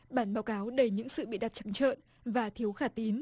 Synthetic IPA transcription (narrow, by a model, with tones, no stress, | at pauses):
ɓaː˧˩nɓaː˨˦wkaː˨˦wɗə˨˧˩jɲɨ̰˧˥ŋsɨ̰˧˨ɓḭ˧˨ɗa˨˩t̚t͡ɕa˨˦ŋt͡ɕə̰ː˧˨n | vaː˨˩t̪ʰi˨˦əwxaː˧˩t̪i˨˦n